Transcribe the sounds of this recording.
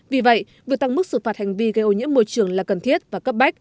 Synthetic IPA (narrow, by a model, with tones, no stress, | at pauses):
vi˨˩və̰˧˨j | vi˨˩ət̪a˧ŋmɨ˦˥k̚sɨ˨˩faː˨˩t̚ha˨˩ŋ̟vi˧ɣə˧jʔo˧˩ɲḭ˧˥əmːo˧jt͡ɕɨ˨˩əŋlaː˨˩kə˨˩nt̪ʰi˦˥ət̚vaː˨˩kə˦˥p̚ɓa˦˥jk̟̚